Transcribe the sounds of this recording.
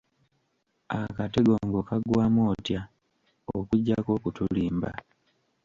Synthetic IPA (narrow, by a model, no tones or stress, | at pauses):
akate̞ɡo̞ŋɡo̞kaɡwaːmoːtja | okuɟːako̞ːkutuliːmba̰